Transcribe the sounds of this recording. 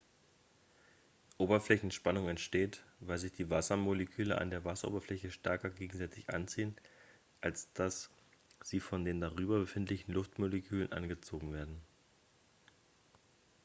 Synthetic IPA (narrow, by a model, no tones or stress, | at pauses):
ʔoːbɐflɛçn̩ʃpanʊŋɛntʃteːtvaɪlzɪçd̥iːvasɐmoləkʰyːləʔa̰ndeːɐvasɐʔo̰ːbɐflɛçəʃtɛɐkɐɡeːɡŋ̩zɛt͡sɪçʔa̰nt͡siːən | ʔalsd̥as | z̥iːfɔndeːndaʁyːbɐbəfɪntlɪçn̩lʊftmoləkʰyːlənʔa̰nɡət͡soːɡŋ̩veːɐdn̩